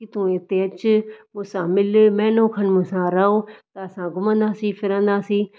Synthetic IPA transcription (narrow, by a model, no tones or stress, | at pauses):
kit̪ũːet̪eːət͡ʃmʊ̃ːsãːmɪlmɛ̃ːnõːkʰənmʊ̃ːsãːɾaːoːt̪ɐəsãːɡʊmə̃ːnd̪aːsiːpʰɪɾə̃ːnd̪aːsiː